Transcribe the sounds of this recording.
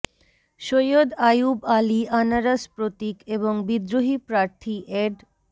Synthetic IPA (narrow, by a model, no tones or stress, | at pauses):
ʃojod̪ajubalianaɾaspɾot̪ikeβoŋbid̪ɾoɦipɾaɾt̪ʰiʔeɖ